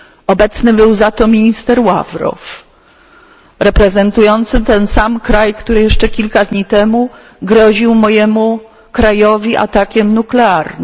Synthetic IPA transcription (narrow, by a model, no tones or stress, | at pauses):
ɔbɛt̪snɘbɘwzat̪ɔmʲiɲist̪ɛɾwavɾɔ̰f | ɾɛpɾɛzɛnt̪ujɔnt̪sɘt̪ɛnsamkɾajkt̪uɾɘjɛʂt͡ʂɛkʲilkad̪ɲit̪ɛmu | ɡɾɔʑiwmɔjɛmu | kɾajɔvʲiʔa̰t̪akʲɛmnuklɛaɾn